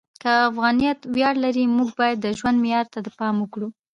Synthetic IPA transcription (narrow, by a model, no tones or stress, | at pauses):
kəafɣɑnijɑt̪wjɑɽlaɾimuɡ̚bɑjad̪ːəʒwand̪mɪjɑɾt̪ad̪əpɑməkɽu